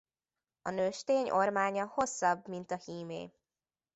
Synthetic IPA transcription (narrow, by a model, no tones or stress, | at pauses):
ɒnøːʃt̪eːɲo̞rmaːɲɒho̞sːɒbmint̪ɒhiːmḛː